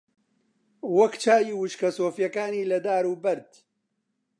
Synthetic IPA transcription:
wɐkt͡ʃʰaːjiːwʊʃkɐsoːfjɐkaːniːlɐd̪aːɾuːbɐɾd̪

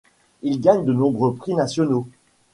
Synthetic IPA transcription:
ilɡaɲd̪ənɔ̃bʁøpχinasjɔno

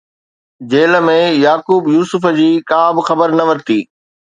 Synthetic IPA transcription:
d͡ʑeːlə̆mẽjaːkuːbjuːsʊfə̆d͡ʑiːkãːbɪxɐbəɾnɐʋɐɾt̪iː

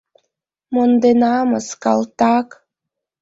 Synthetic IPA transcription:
mond̪enɑməskɑ̰lt̪ɑk

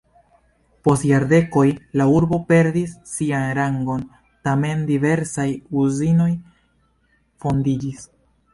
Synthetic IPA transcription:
po̞stjaɾde̞ko̞jlauɾbo̞pe̞ɾdisːianɾaŋɡo̞n | tame̞ndive̞ɾsajuzino̞j | fo̞ndid͡ʒis

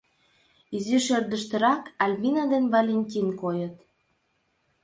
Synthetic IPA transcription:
iziʃørd̪ə̆ʃt̪ə̆ɾɑkɑlʲminad̪envɑlʲenʲt̪ʲinkojət̪

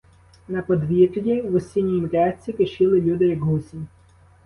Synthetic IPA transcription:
nɐpɔd̪ʋʲirlʲiʋɔsʲinʲiimʲɾʲat͡sʲikeʃɪlˠɪlʲud̪ɪjɐɡɦusʲinʲ

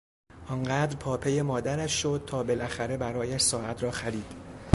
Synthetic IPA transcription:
ʔɒːŋɢæːd̪ɾpʰɒːpʰe̞jemɒːd̪æɾæʃʃod̪̥̚t̪ʰɒːbelʔæxæɾe̞bæɾɒːjæʃsɒːʔæt̪ʰɾɒːxæɾiːd̪̥

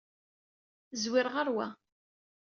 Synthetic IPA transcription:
zwɪɾʁəɾwæ̰

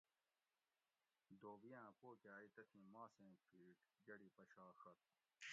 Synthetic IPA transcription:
d̪oːʋijãːpoːkaːit̪ɐt̪ʰĩmãːsẽːpʰiːʈɡɐɽipɐɕaːxɐt̪̚

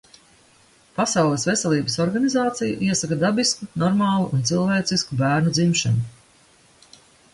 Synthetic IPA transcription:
pasawlˠɛsvesɛlˠiːbəsɔɾɡanizaːt̪sija̰ʔiɛsakɐd̪abiskunɔɾmaːlˠuʔunt̪silˠveːt̪siskubæːɾnud̪zimʃanu

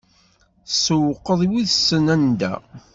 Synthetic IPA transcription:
səwəqːəðˤiwiðsːənænd̪æ̰

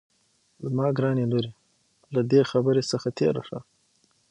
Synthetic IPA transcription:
zmɑːɡɾɑneloɾe | lad̪exabəɾesəxat̪ʰeɾa̰ʂa

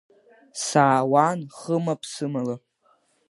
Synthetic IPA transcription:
saːwanχəmapʰsɨmala

